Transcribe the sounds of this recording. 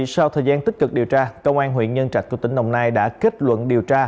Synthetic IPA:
sa˧wt̪ʰəː˨˩jzaː˧nt̪i˦˥t̚kɨ˨˩k̚ɗi˨˩əwt͡ɕaː˧kə˧wŋ͡mʔaː˧nɦwḭ˧˨ənɲə˧nt͡ɕa˧˩k̟̚ku˧˩t̪ï˧˩ŋ̟ɗə̰˧˩wŋ͡mnaː˧jɗa̰ː˧˥ki˦˥t̚lwə̰˧˨nɗi˨˩əwt͡ɕaː˧

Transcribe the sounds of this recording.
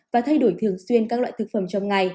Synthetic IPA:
vaː˨˩t̪ʰa˧jɗo˧˩˦jt̪ʰɨ˨˩əŋswi˧ənkaː˦˥k̚la̰ː˧˨jt̪ʰɨ˨˩k̚fə˧˩mt͡ɕɔ˧wŋ͡mŋa˨˩j

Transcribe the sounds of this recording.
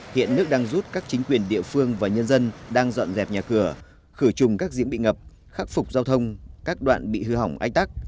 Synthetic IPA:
hḭ˧˨ənːɨ˦˥ək̚ɗaː˧ŋzu˦˥t̚kaː˦˥k̚t͡ɕï˨˦ŋ̟kwi˨˩ənɗḭ˧˨əfɨ˧əŋvaː˨˩ɲə˧nzə˧nɗaː˧ŋzɔ̰˧˨nzɛ˨˩p̚ɲaː˨˩kɨ˧˩ə | xɨ˧˩t͡ɕʊ˨˩ŋ͡mkaː˦˥k̚zi˨˦əŋɓḭ˧˨ŋə˨˩p̚ | xaː˦˥k̚fʊ˨˩k͡p̚zaː˧wt̪ʰə˧wŋ͡mkaː˦˥k̚ɗwa̰ː˧˨nɓḭ˧˨hɨ˧ɦa˧˩wŋ͡mʔa˧˥jŋ̚t̪a˦˥k̚

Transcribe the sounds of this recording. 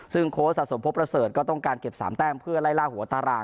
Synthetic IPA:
sɯ˥˩ŋkʰoː˦˥sa˨˩so˩˦mpʰo˦˥pːɾa˧sɤː˨˩t̪̚kɔː˥˩t̪ɔ˥˩ŋkaː˧nke˨˩p̚sa̰ː˩˦mt̪ɛː˥˩ŋpʰɯ˥˩ɐlaː˥˩jlaː˥˩hu˩˦˧t̪aː˧ɾaː˧˩

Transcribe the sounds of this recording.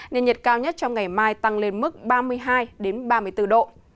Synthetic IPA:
nḛ˧˨nɲə˨˩t̚kaː˧wɲə˦˥t̚t͡ɕɔ˧wŋ͡mŋa˨˩jmaː˧jt̪a˧ŋle˧nmɨ˦˥k̚ɓaː˧mɨ˧əjɦaː˧jɗe˨˦nɓaː˧mɨ˧əjt̪ɨ˧ɗo̰˧˨

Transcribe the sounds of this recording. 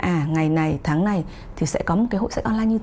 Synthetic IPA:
ʔaː˨˩ŋa˨˩jna˨˩jt̪ʰaː˨˦ŋna˨˩j | t̪ʰi˨˩sɛ̰˧˥kɔ˨˦mo˨˩t̚ka˨˦ɦo̰˧˨sɛ̰˧˥ʔkɔ˧nlaː˧ɲɨ˧t̪

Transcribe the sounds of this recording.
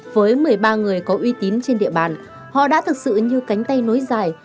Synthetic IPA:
vəː˨˦jmɨ˨˩əjɓaː˧ŋɨ˨˩əjkɔ˨˦ʔwi˧t̪i˨˦nt͡ɕe˧nɗḭ˧˨əɓa̰ː˨˩n | hɔ̰˧˨ɗa̰ː˧˥t̪ʰɨ˨˩k̚sɨ̰˧˨ɲɨ˧ka˨˦jŋ̟t̪a˧jno˨˦jzaː˨˩j

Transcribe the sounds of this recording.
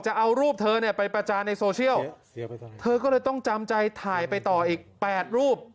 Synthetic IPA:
t͡ɕa˨˩ʔa˧wɾuː˥˩p̚t̪ʰɤː˧ni˥˩ɐpa˧jpɾa˧t͡ɕaː˧nːa˧jsoː˧t͡ɕʰi˥˩əw | t̪ʰɤː˧k̬ɔː˥˩lɤː˧jt̪ɔ˥˩ŋt͡ɕa˧mt͡ɕa˧jt̪ʰaː˨˩˦jpa˧jt̪ɔː˨˩ʔiː˨˩k̚pɛː˨˩t̪̚ɾuː˥˩p̚

